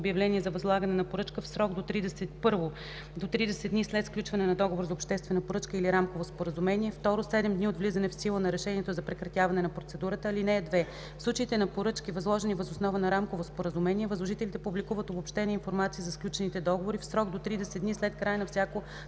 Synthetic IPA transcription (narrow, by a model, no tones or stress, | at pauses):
bjɐvlɛniɛzɐvɐzlˠaɡənɛnɐpoɾɤt͡ʃkəfsɾɔɡd̪ot̪ɾid̪ɛsɛt̪pɤɾvo | d̪ot̪ɾid̪ɛsɛt̪nislɛt̪fklʲut͡ʃvɐnɛnɐd̪ɔɡovoɾzɐopʃt̪ɛst̪vɛnɐpoɾɤt͡ʃkəiliɾamkovospoɾəzumɛniɛft̪ɔɾosɛd̪ɛmd̪niod̪vlizɐnɛfsilˠənɐɾɛʃɛniɛt̪ozɐpɾɛkɾɐt̪ʲjavɐnɛnɐpɾot̪sɛd̪uɾət̪əːlinɛːd̪vɛ | fslˠut͡ʃəiːt̪ɛnɐpoɾɤt͡ʃkivɐzlˠɔʒɛnivɐzosnɔvənɐɾamkovospoɾəzumɛniɛvəzlˠoʒit̪ɛlit̪ɛpublʲikuvət̪obopʃt̪ɛnəinfoɾmat̪siːzɐsklʲut͡ʃɛnit̪ɛd̪ɔɡovoɾifsɾɔɡd̪ot̪ɾid̪ɛsɛd̪d̪nislɛt̪kɾajənɐfsʲjako